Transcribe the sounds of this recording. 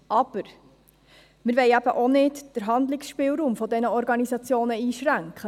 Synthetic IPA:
ʔɑb̥əɾ | mɪɾʋɛɪæb̥əʔonɪdd̥əɾɦɑnd̪lɪksʃpɪːlɾuːmfɔdɛnəɔɾɡɑnisɑt͡sjoːnəiːʃɾæŋkχə

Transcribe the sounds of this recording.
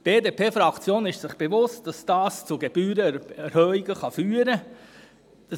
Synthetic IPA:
b̥eːdeːpʰeːfɾɑkt͡sjoːnɪʃsɪχb̥evʊst̚d̥ɑsd̥ɑːst͡suɡeb̥yːɾəɛɾhœiɡ̥əχɑfyːɾə | d̥ɑ

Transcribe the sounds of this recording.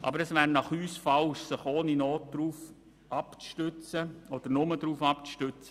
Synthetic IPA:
ʔɑ̰bəɾɛsʋæːɾnɑχyːsfɑlʃsɪχoːninoːt̚d̥ɾuːf | ʔɑpt͡sʃtøt͡səɔd̥̪əɾnʊmədɾuːfɑpʃtøt͡sə

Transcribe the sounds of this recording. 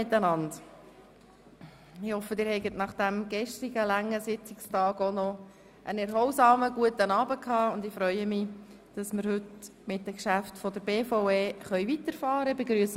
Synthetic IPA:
ɪt̪ːənɑnd | ɪhɔfːədɪːɾhɛɪɡətnɑχd̥æmɡ̥ɛʃtɪɡəlæŋːəsɪt͡sɪkstɑːɡɔnɔ | ʔənɛɾhɔwsɑːməɡuətənɑːbəkʰhɑːʊnd̪ɪfɾœʏəmɪ | d̥ɑsməɾhɵtmɪt̚dəkʃæftfɔdəɾbeːfoʊeːχœʏvit̪əɾfɑːɾəbeɡɾyəs

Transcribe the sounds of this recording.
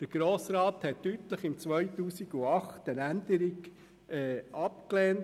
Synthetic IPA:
d̥əɾɡ̥ɾoːsɾɑːt̪hɛtːytləχɪmt͡sʋœjtuːsiɡuɑχtənænd̪əɾiɡ | ɛːɑpkleːnt

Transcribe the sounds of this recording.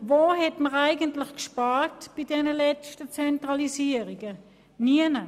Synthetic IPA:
voːɦɛtməʁaɪɡəntlɪχkʃpaːʁtb̥idɛnəlɛt͡stət͡sɛntʁɑlisiəʁiɡə | niənə

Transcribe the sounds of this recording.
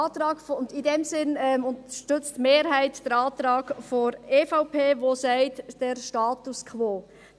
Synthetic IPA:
ɑːt̪ɾɑːɡfʊndidɛmsɪnɛmʊnt̪əʃtʏt͡stmeːɾɦæɪtd̥əɾɑːt̪ɾɑːɡ̥foɾeːfaʊpʰeːʋosɛɪtd̥ɛɾʃtɑːt̪uskʰʋoː

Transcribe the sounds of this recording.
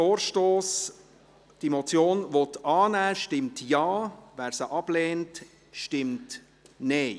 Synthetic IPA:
oːɾʃtoːs | d̥imɔt͡sjoːnʋɔtɑːnæːʃtɪmtjɑːʋæːɾsəʔɑb̥lɛːnt | ʃtɪmt | nɛɪ

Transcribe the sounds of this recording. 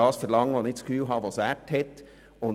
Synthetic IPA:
ɑːsfəɾlɑŋːəʋonɪkt͡skfyːlɦɑːʋɑsæːthɛt̪ | ʊn

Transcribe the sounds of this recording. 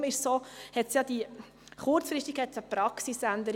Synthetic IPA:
mɪʃsoːhɛtsjɑd̪̥i | χʊɾt͡sfɾɪstiɡ̥hɛt̪t͡səpɾɑksisænd̪əɾ

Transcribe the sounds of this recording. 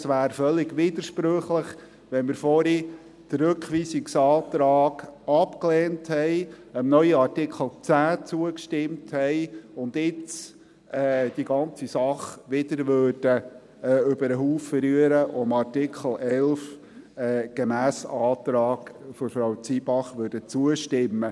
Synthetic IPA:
sʋæːɾfœlːɪɡʋiːd̪əɾʃpɾøχləχ | ʋɛnmɪɾfɔɾi | d̥əɾɵkʋiːsɪksɑːt̪ɾɑːɡ̥ɑpklɛːnthɛɪəmnœʏəɑɾtɪkʰl̩ˠt͡sæːt͡suəkʃtɪmthɛɪʊnd̪ɪt͡s | ɛːd̥iɡɑnt͡sisɑχʋɪd̪əɾʋøːɾd̥ə | ɛːʏbəɾəɦuːfəɾyəɾəʔɔəmɑrtɪkʰl̩ʔɛlf | ɛːɡ̥emæːsɑːt̪ɾɑːɡ̥fɔɾfɾawt͡sibɑχʋøːɾd̥ət͡suəʃtɪmːə

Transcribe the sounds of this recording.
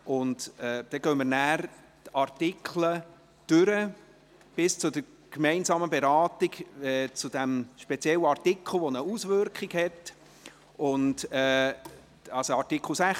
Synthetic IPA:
ʔʊntɛːd̥ɛɡœmənæːɾ | tɑɾtɪkʰlə | d̥øɾə | b̥ɪst͡sʊd̥ə | kmɛɪnsɑːməbeɾɑːtɪɡɛːt͡sʊd̥æmʃpɛt͡sjɛlːəɑrtɪkʰl̩ˠʋonəusvʏɾkχiɡhɛt | ʔʊntɛː | ɑlsoɑɾtikʰl̩sæχ

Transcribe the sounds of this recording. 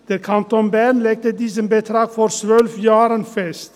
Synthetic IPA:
d̪̥əkʰɑnt̪ɔnbænlɛɡ̚t̪əd̪ɪsəmbət̪ʰɾɑːɡfɔɾsʋœlfjɑːɾənfɛst̪

